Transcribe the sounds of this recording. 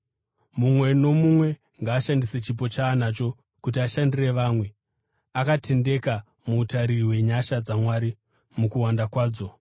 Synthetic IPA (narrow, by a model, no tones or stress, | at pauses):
mumwe̞no̞mumwe̞ | ŋɡaːʃandiset͡ʃip̬o̞t͡ʃaːnaːt͡ʃo̞ | kut̬iaʃandire̞ʋaːmwe̞ | akatʰe̞nde̞ka | muːtaɾiɦwe̞ɲaʃad͡zamwaɾi | mukuwandakwaːd͡zo̞